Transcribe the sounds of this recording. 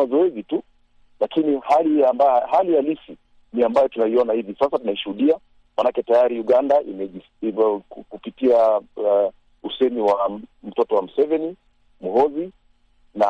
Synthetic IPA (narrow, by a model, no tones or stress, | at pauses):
azɔɛzitu | lakinihaliambahalijalifi | niambajɔtunaiɔnahivisasatunaiʃuhuɗia | manakɛtajaɾiuɠandaʔimɛi | kupitia | usɛniwam̩tɔtɔwam̩sɛvɛni | muɦɔzi | na